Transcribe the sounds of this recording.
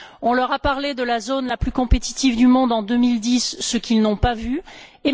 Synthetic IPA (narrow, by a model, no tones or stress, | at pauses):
ɔ̃lœʁapaʁled̪əlazonlaplykɔ̃pet̪i̥t̪ivd̪ymɔ̃d̪ɑ̃d̪ømild̪isːəkʲilnɔ̃pavye